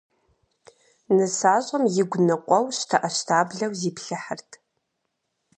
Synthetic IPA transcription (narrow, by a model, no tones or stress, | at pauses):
nɨsaːɕʼɐmjɪɡʷnɐqʷʼɔwɕtʰɐʔɐɕtʰaːbɮɐwziːpɬɨħərtʰ